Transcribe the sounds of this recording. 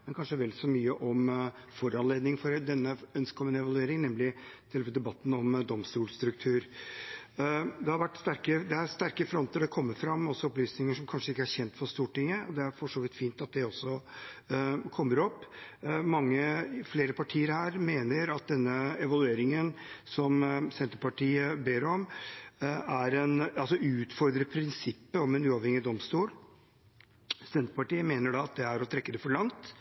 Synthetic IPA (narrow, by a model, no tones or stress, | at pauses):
mmɛnkʰɑnʂəʋɛlsɔmyːəʔɔmfɔɾɑnleːd̪nɪŋfɔɾd̪ɛnːəœnskkʰɔmːənəɛʋɑlʉeːɾɪŋnɛmlɪt̪ʰɪlʋəd̪ɛbɑt̪ːn̩ɔmd̪ɔmst̪uːlst̪ɾʉk̚t̪ʰʉːɾ | d̪ɛhɑɾʋæʈːst̪æɾkəd̪ɛæɾst̪æɾkəfɾɔnt̪əɖɛkʰɔmːəɾfɾɑmːɔsːɔɔplyːsnɪŋəʂɔmkʰɑnʂəɪkːəæçɛnt̪fɔɾst̪uːʈɪŋːəɔd̪ɛæɾfɔʂoːʋɪt̪fiːnt̪ɑt̪̚d̪ɛɔsːɔ | kʰɔmːəɾɔpːmɑŋːəfleːɾəpʰɑʈʰiːəɾhæːɾmeːnəɾɑt̪̚d̪ɛnːəɛʋɑlʉeːɾɪŋənsɔmsɛnt̪əɾpɑʈiːəbeːɾɔm | æɾɛnɑlsɔʉːt̪fɔɾd̪ɾəpʰɾɪnsɪpːəɔmɛnʉːɑʋhɛŋɪd̪ɔmst̪uːl | sɛnt̪əɾpɑʈiːəmeːnəɖɑɑt̪̚d̪ɛæɾɔt̪ʰɾɛkːəd̪ɛfɔɭɑŋt̪